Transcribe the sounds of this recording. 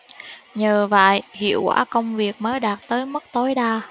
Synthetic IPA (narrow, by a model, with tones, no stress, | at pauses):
ɲəː˨˩və̰˧˨jʔhḭ˧˨əwkwa̰ː˧˩kə˧wŋ͡mvi˨˩ək̚məː˨˦jɗaː˨˩t̚t̪əː˨˦jmə˦˥k̚t̪o˨˦jɗaː˧